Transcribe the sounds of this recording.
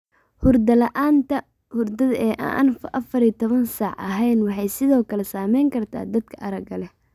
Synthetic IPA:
hʊrd̪ɐlɐʔaːnt̪ʰɐ | hʊrd̪ɐðɛːʔa̰nfʔɐfɐɾit̪ʰɔβɐnsaːʕɐ̰ɦɛjnwɑħɑjsɪðɔːkʰɐlɛsaːmɛjŋkʰɐrt̪ʰa̰ːd̪ɐd̪̚kʰɐʔɐɾɐɡɐlɛ

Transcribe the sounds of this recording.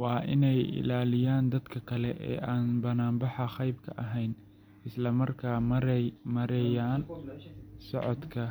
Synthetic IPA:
wɑːʔɪ̰nɛjɪ̰laːlɪjaːnd̪ɐd̪kʰɐkʰɐlɛʔɛ̰ːʔaːnbɐnaːmbɑħɐχɑjb̚kʰɐ̰ʔɐɦɛjn | ɪslɐmɐrkʰaː | mɐɾɛjaːn | sɔʕɔd̪kʰɐ

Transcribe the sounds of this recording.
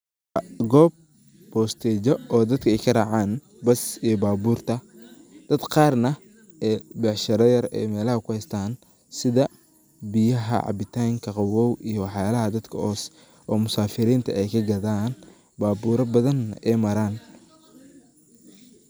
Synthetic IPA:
ɡɔːb̚ | bɔːst̪ʰɛːt͡ʃɔɔːd̪ɐd̪kʰɐɛjkʰɐraːʕaːn | bɐsijɔbaːbuːrt̪ʰɐ | d̪̥ɐd̪qɑːrnɐ | ɛːbɛʕʃɐɾɐjɐrɛ̰jmɛːlɐhɐkʰʊhɛjst̪ʰaːn | sɪðɐ | bɪjɐɦɐ̰ʕɑ̰bɪt̪ʰaːŋkʰɐqɑwɔwʔijɞwɑħjaːlɐɦɐd̪ɐd̪kʰɐɔːs | ʔɔːmʊsaːfɪɾiːnt̪ʰɐɛjkʰɐɡɐðaːn | baːbuːɾɐbɐðɐnɛːmɐɾaːn

